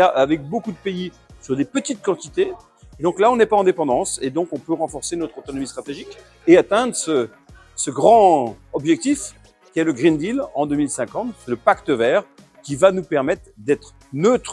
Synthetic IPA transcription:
aʔavɛk̚bokud̪əpei | syʁd̪epət̪it̪̚kɑ̃t̪it̪e | d̪ɔ̃klaɔ̃nɛpaɑ̃d̪epɑ̃d̪ɑ̃sed̪ɔ̃kɔ̃pøʁɑ̃fɔʁsenɔt̪χot̪ɔnɔmist̪χat̪eʒik | eat̪ɛ̃d̪ʁəsə | səɡʁɑ̃ɔbʒɛk̚t̪if | kʲiɛləɡʁind̪ilɑ̃d̪ømilsɛ̃kɑ̃t̪sɛləpakt̪əvɛːʁ | kʲivanupɛʁmɛt̪χd̪ɛt̪χ | nøt̪χ

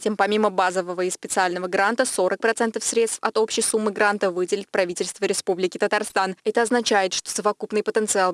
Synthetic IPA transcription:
tʲe̞mpɐmʲiməbazəvəvəɪspʲɪt̪sɨalʲnəvəɡɾant̪əso̞ɾək̚pɾɐt̪sɛnt̪əfsɾʲet̪st̪fɐt̪o̞pɕɪjsumːɨɡɾant̪əvɨdʲɪlʲɪt̪̚pɾɐvʲitʲɪlʲst̪vəɾʲɪspublʲɪkʲɪt̪ət̪arst̪anɛt̪əɐznɐt͡ɕæjɪt̪ʂt̪o̥səvɐkupnɨjpət̪ənt̪sɨalˠ

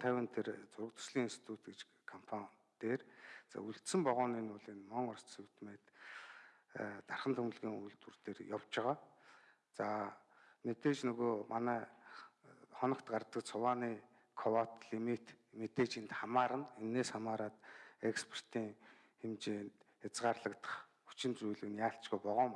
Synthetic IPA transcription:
t̪ʰæwʲɪ̆nt̪ʰert͡sʊɾə̆k̚t̪ɵ̥̆rsɮiːŋinst̪i̥t̪ʰut̪ɡet͡ɕ | kʰɔmpʰan | t̪eːrt͡sa̰ːuɬt̪sɘ̆mpɔʁʊːniːnʊːɮiːnmɔɴɔrst͡ssuwt̪meːt̪ | t̪arχə̆nt̪ʰɵm̆ɮɣʲiːŋujɮt̪urt̪eːrjawt͡ɕɪ̆ʁaː | t͡sa | met̪eːt͡ɕnɵɣoːmʔanæː | χɔnɞ̆kt̪ɢart̪ə̆kt͡sʰʊwaːniː | kʰɔwat̪ɮimit̪met̪eːt͡ɕent̪χamaːɾə̆nenːeːsχamaːɾaːt̪ekspʰer̥t̪iːŋ | xemt͡ɕeːnt̪ | xat͡sʁaːrɮə̆kt̪ə̥̆χxu̥t͡ɕɪ̆nt͡sujɮɘ̆kɘ̆njaːɬt͡ɕɡujpɔʁʊːm

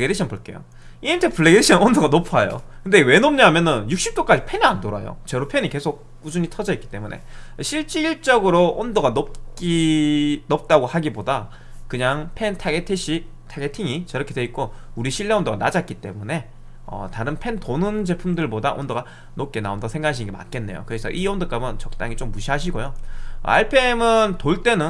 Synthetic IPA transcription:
ɡediɕʰʌnpoɭk͈e̞̰jo̰ | inintʰepʰɯɭːeɡeiɕʰʌnondoɡanopʰajo̰kɯndewe̞nomɲaɦamjʌnɯnjuk̚ɕ͈ip̚t͈ok͈ad͡ʑipʰe̞niandoɾajo̰t͡ɕʌɾopʰe̞nike̞sʰok̚k͈ud͡ʑuɲitʰʌd͡ʑʌik͈i̥t͈e̞munʔe̞̰ɕʰiɭt͡ɕ͈iːɭt͡ɕ͈ʌɡɯɾoʔondoɡanop̚k͈i | nʌp̚t͈aɡohaɡiboda | kɯɲaŋpʰe̞ntʰaɡetʰiɕ͈ʰi | tʰaɡe̞tʰiŋit͡ɕʌɾʌkʰe̞de̞ik̚k͈o | uɾiɕʰiɭːeondoɡanad͡ʑat̚k͈it͈e̞mune̞ | ʌ̰taɾɯnpʰe̞ntonɯnd͡ʑe̞pʰumdɯɭbodaʔondoɡa | nop̚k͈e̞naondaosʰe̞ŋɡakʰaɕʰinŋɡema̰k͈e̞nːe̞̰jo̰kɯɾesʰʌ̰ʔiondɯk͈amɯnt͡ɕʌk̚t͈aŋit͡ɕomːuɕʰiɦaɕ̬ʰiɡojo̰a̰ɭpʰe̞mɯntoɭt͈e̞nɯn

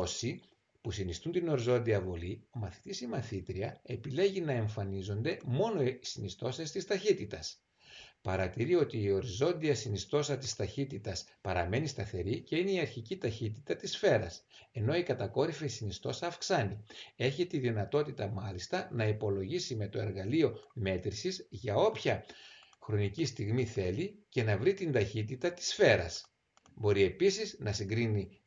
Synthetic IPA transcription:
osi | pusinist̪unt̪ino̞ɾizo̞nd̪iɐvo̞lio̞mɐθi̥t̪isimɐθit̪ɾiɐe̞pile̞ʝinɐe̞ɱfɐnizo̞nd̪e̞mo̞no̞isinist̪o̞sest̪ist̪ɐçit̪it̪ɐs | pɐɾɐt̪iɾio̞t̪iːo̞ɾizo̞nd̪iɐsinist̪o̞sɐt̪ist̪ɐçit̪it̪ɐspɐɾɐme̞nist̪ɐθe̞ɾice̞ine̞iɐɾçicit̪ɐçit̪i̥t̪ɐt̪isfe̞ɾɐ̰se̞no̞ikɐt̪ɐko̞ɾifeisinist̪o̞sɐːfksɐnie̞çit̪iðinɐt̪o̞t̪it̪ɐmɐlist̪ɐnɐipo̞lo̞ʝisime̞t̪o̞e̞ɾɣɐlio̞me̞t̪ɾisizʝɐo̞pçɐ | xɾo̞nicist̪iɣmiθe̞lice̞nɐvɾit̪ind̪ɐçit̪it̪ɐt̪i̥sfe̞ɾɐ̰s | bo̞ɾie̞pisiznɐsiŋɡɾini

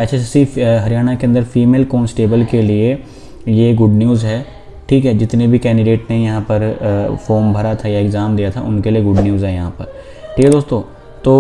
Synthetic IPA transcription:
ɛt͡ʃʰɛsiɦɐɾijaːɽ̃akeɐ̃nd̪əɾfʰiːmeːlkoːnsʈeːbəlkelie | jeɡʊɖnijuːzɦɛː | ʈʰiːkɦɛd͡ʒɪt̪nebʱikɛːɳɖɪɖeːʈnejɐɦãpɐɾfoːɾmbʱɐɾat̪ʰajaɪkzaːmd̪ijat̪ʰa̰ʔʊnkelijeɡʊɖnijuːzɦɛːjɐɦãpɐɾ | ʈʰiːked̪oːst̪õː | t̪oː

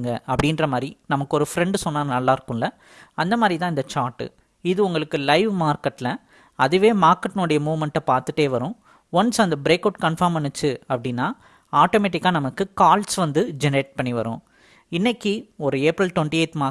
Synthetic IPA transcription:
ŋɡɐʔɐpːɐɽɪndɾɐmaːd̪ɾinɐmɐkːɯɔɾɯfɾɛɳɖɯsɔnːaːnɐlːaːɪɾɯkːʊ̃ɪlːɐ | ɐnd̪ɐmaːðɾit̪ãːɪnd̪ɐt͡ʃaːɾʈːɯ̰ | ɪðɯʊŋɡɐɭɯkːɯlɐɪʋmaːɾkɐʈːlɐ | ɐðɯʋeːmaːɾkɐʈːnuːɽɐjɐmuːʋmɛɳʈːɐpaːɾt̪ɯʈːeːʋɐɾʊ̃ | ʋɐnsɐnd̪ɐbɪɾeːkɐʊʈkɐɳfɐɾmpɐɳːɯt͡ʃːɯɐpːɐɽɪnːaː | aːʈoːmeːʈːɪkːaːnɐmɐkːɯkaːlsʋɐnd̪ɯd͡ʒɛnɐɾeːʈ̚pɐɳːiʋɐɾʊ̰̃ | ɪnːɛkːiɔɾɯeːpɾɐlʈ̪ʋɔɳʈieːt̪maː

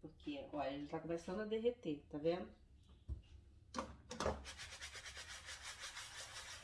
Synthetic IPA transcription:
poɾkʰeɔʎɐelɪt̪akõmesɐ̃nd̪ʊɐd̪eɦet̪et̪avẽnd̪ʊ

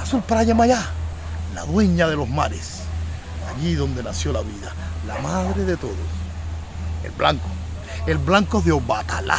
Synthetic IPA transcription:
asulpɾaʝamaʝa | la̰ðwe̞ɲaðe̞lo̞sma̰ɾes | aʎiðo̞nd̪e̞nasjo̞laβiðalamaðɾe̞ðe̞t̪o̞ðos | e̞̰lbla̰ŋko̥ | elβlaŋkoðeoβat̪ala̰

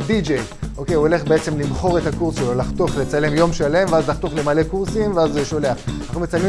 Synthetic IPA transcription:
did͡ʒej | ʔoke̞juole̞χbeet͡se̞mlimχo̞ʁe̞t̪akuʁsʃelo̞laχt̪o̞χle̞t͡sale̞mjo̞mʃale̞mveazlaχt̪oχle̞male̞kuʁsimveazʃo̞le̞aχnaχnume̞t͡salmi

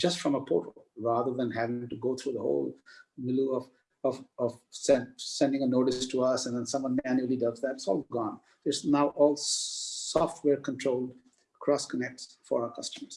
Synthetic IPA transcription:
d͡ʒʌstfɹʌ̃məpʰo̰ɹʈoolɹaðəðə̃nɦævɪ̃ŋʈuɡoːt̪ʰɾuːðəho̰ʊlmɪluɔv | ɔvɔvsɛ̃nsɛ̃nɖɪ̃ŋənoʊʈɪstʰuʌsɛ̃nd̪ɛ̃nsʌ̃mwʌ̃nmænjuəlidʌɡzðætsɔːlɡɔ̃n | sɪsnaʊʔɔːlsɔfʈ̚ʰwɛːɾkə̃nʈʰɹoʊlɖ | kʰɾɔːskənɛk̚ʈsfɔ̰aʊə˞kʰʌstəmə˞z̥

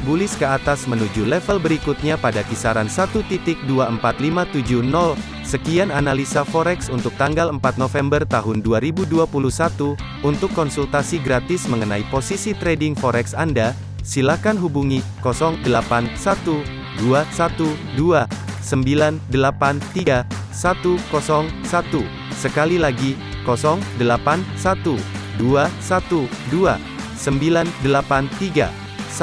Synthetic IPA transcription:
bulɪskəat̪asmənud͡ʒulɛfəlbəɾikut̪̚ɲapadakisaɾansat̪ut̪it̪ɪk̚duaəmpat̪limat̪ud͡ʒuhnɔl | səkiananalisafɔɾɛksunt̪ʊk̚t̪aŋɡaləmpat̪̚nofɛmbərt̪aɦʊnduaɾibuduapuluhsat̪u | unt̪ʊkːɔnsult̪asiɡɾat̪ɪsməŋənaiposisit̪ɾedɪŋfɔɾɛksanda | silakanɦubuŋikɔsɔŋdəlapansat̪u | duasat̪u | duasəmbilandəlapant̪iɡa | sat̪ukɔsɔŋsat̪u | səkalilaɡi | kɔsɔŋdəlapansat̪uduasat̪udua̰ | səmbilandəlapant̪iɡa̰ | s

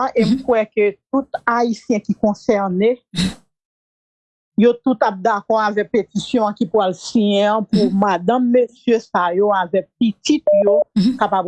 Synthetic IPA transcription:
ʔem̩kwɛkøt̪ut̪aisjɛ̃kikɔ̃sɛʁne | jot̪ut̪ap̚d̪akɔʁavɛk̚petisjɔ̃ãkipwalsijɛ̃ãpumad̪ãmːøsjøsajoavɛk̚pitit̪̚jokapab

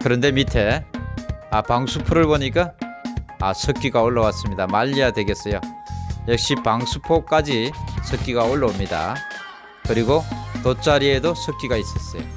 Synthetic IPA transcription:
kɯɾʌnde̞mitʰe̞ | apaŋsʰupʰoɾɯɭboɲik̬͈a | asʰʌk͈iɡaoɭːʌwas͈ɯmɲidamaʎːijadwe̞ɡe̞s͈ʌjojʌk̚ɕ͈ipaŋsʰupʰok͈ad͡ʑisʰʌk͈iɡaoɭːʌmɲida̰ | kɯɾiɡotot͡ɕ͈aɾie̞dosʰʌk͈iɡais͈ʌs͈ʌjo̰

